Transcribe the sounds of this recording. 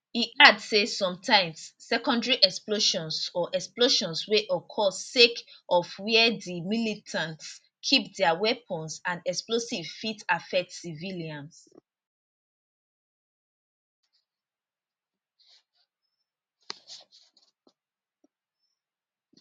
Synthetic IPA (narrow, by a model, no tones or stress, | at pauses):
iʔadsesɔ̃mtʰãɪ̃msːɛkɔ̃ndɹiʔɛksploʃɔ̃nsɔʔɛksploʃɔ̃nsweʔɔkʰɔsːekʔɔfwɛdimilitʰãnts | kʰip̚dɛawɛpʰə̃nsãnɛksplosiv̥fitafɛk̚tsiviliãns